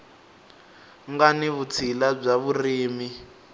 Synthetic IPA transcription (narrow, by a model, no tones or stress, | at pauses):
ŋɡaniβut͡sʰilab͡ʐaβuriːmi